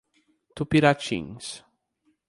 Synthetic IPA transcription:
t̪upiɾat͡ʃḭ̃ŋs

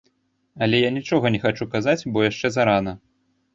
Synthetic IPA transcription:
ɐlʲɛjanʲit͡ʂɔɣɐnʲɛxat͡ʂukazat͡sʲbɔjaʂt͡ʂɛzaɾanɐ

